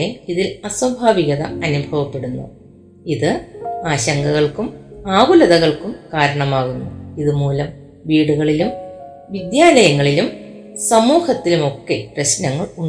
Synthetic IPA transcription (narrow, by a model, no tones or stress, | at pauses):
eiðilɐsɐbʱaːʋiɣɐðɐ̰ɐnubʱɐʋɐpːe̞ɽunːṵ | iðɨaːɕɐŋɡɐɣɐɭkumaːɣulɐðɐɣɐɭkumkaːɾɐɳɐmaːɣunːuiðumuːlɐm | ʋiːɽuɣɐɭilum | ʋid̪jaːlɐjɐŋːɐɭilum | sɐmuːhɐt̪ːilumo̞kːe̞prɐɕnɐŋːɐɭuɳ